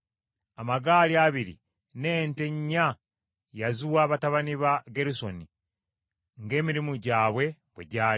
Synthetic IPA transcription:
amaɡaːliaβiɾḭ | ne̞ːnte̞ɲːa | jazuwaːβataβaniβaɡe̞ɾuso̞ni | ŋɡe̞ːmiɾimuɟaːβwe̞βwḛɟaː

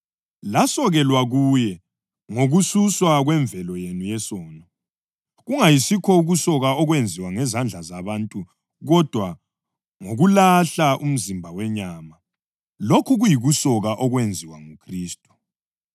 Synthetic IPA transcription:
lasɔɣɛlwaɣujɛ | ŋoɣususwaɣwɛɱvʱɛlɔjenujɛsɔːnɔ | ɣuŋajisikʰɔuɣusɔɣaɔɣwend͡zʱiwaŋɛzand͡ɮʱazaβantʼu | ɣɔd̥ʱwa | ŋoɣulaɬaʔum̩zimbʱawɛɲaːma | lokʰuɣujiɣusɔɣaʔɔɣwend͡zʱiwaŋukʰriːstʼu̥

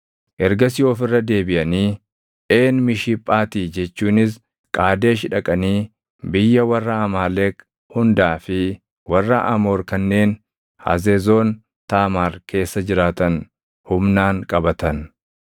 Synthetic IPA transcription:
ʔɛɾɡɐsɪjo̞ːfɪrːɐd̪e̞ːbɪʔɐniː | ʔe̞ːnmɪʃiːpʼːaːt̪iːd͡ʒɛt͡ʃːuːnɪs̬ | kʼaːd̪e̞ːʃɪᶑɐkʼɐniː | bɪjːɐwɐrːɐɐmaːleːk | hʊnd̪aːfɪ | wɐrːɐʔɐmo̞ːɾkɐnːe̞ːn | hɐ̰zeːzo̞ːn | t̪aːmaːɾkʰe̞ːsːɐd͡ʒɪɾaːt̪ɐn | hʊmnaːŋkʼɐbɐt̪ɐn

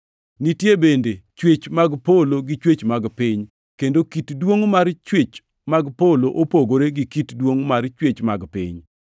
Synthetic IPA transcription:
nitjebendet͡ʃwet͡ʃmaɡpoloɡɪt͡ʃwet͡ʃmaɡpɪɲ | kendokitdwoŋmart͡ʃwet͡ʃ | maɡpoloʔopoɡoɾeɡɪkitdwoŋmart͡ʃwet͡ʃmaɡpɪ̰ɲ

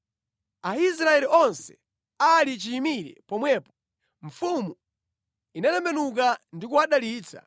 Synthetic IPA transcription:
ais̬ɾaɛliʔɔnsɛ̥ | alit͡ʃiːmiɾɛ̰pɔmwɛːpɔ | ɱ̩fumu | inalɛmbɛnuk̬andikuwaɗaliːt͡sʰa̰

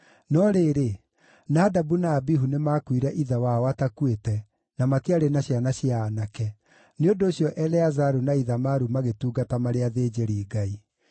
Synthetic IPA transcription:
nɔɾeːɾe | naːdabunaːbiɦunemakwiɾɛʔiðawawatakwetɛ | namakiaɾenaɕjanaɕiaːnakɛ | neondoːɕjɔʔɛlɛazaɾunaiðamaɾumaɣetuːɡatamaɾeaðeːd͡ʑeɾiːɡai

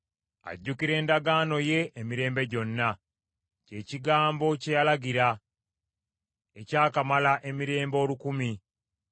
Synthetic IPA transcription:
a̰ɟːukiɾe̞ːndaɡaːno̞je̞ʔːmiɾe̞ːmbe̞ɟo̞nːa | ce̞ːciɡaːmbo̞cejalaɡiɾa | ecaːkamalaʔe̞miɾe̞ːmbo̞ːlukumi

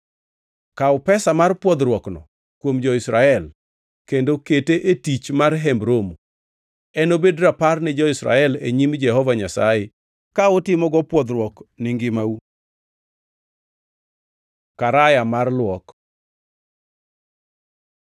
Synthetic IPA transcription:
kaʊpɛsamarpwɔd̪ɾwɔknɔ̰ | kwomd͡ʒɔɪsɾaɛl | kendoketeʔetit͡ʃmarɦɛmbɾomu | ɛnobedɾaparnɪd͡ʒɔɪsɾa̰ɛleɲimd͡ʒɛhɔvaɲasa̰je | kaʊtɪmɔɡɔpwɔd̪ɾwɔknɪŋɡɪmau | kaɾajamarlwɔk

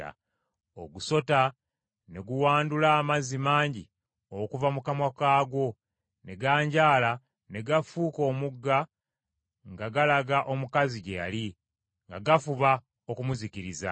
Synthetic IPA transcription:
a̰ | oɡuso̞ta | ne̞ɡuwaːndulaːmazimaːɲɟi | okuvamukamwakaːɡo̞ | ne̞ɡaːɲɟaːla | ne̞ɡafuːko̞ːmuɡːa | ŋɡaɡalaɡaʔo̞mukaziɟeja̰li | ŋɡaɡafuβa | o̞kumuziciɾiza̰

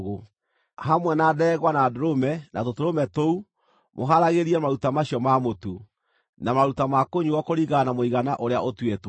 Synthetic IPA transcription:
ɣo | ɦamwɛnadɛːɣwanaːdoɾomɛnatotoɾomɛtou | moɦaɾaɣeɾiɛmaɾutamaɕiɔmamotu | namaɾutamakoɲiɣɔkoɾiɣanamoiɣanaʔoɾeaotwet

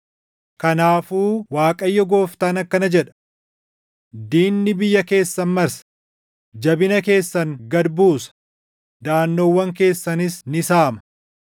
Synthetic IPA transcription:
kɐnaːfuːwaːkʼɐjːɔɡo̞ːft̪aːnɐkːɐnɐd͡ʒɛᶑɐ̥ | d̪iːnːɪbɪjːɐke̞ːsːɐnmɐɾsɐ̥ | d͡ʒɐbɪnɐke̞ːsːɐŋɡɐd̪buːsɐ̥ | d̪aːnːoːwːɐŋk̬e̞ːsːɐnɪsnɪsaːmɐ̥

